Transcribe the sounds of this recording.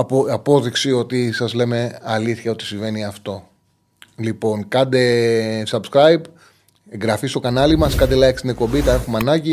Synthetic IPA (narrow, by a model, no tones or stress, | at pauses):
ɐpo̞ðiksio̞t̪isɐzle̞me̞ɐliθçɐo̞t̪i̥siɱve̞niɐft̪o̞ | lipo̞nkɐnd̪e̞sɐbskɾɐjb | eŋɡɾɐfist̪o̞kɐnɐlimɐskɐnd̪elɐjkst̪ine̞kpo̞mbit̪ɐe̞xumɐnɐɟi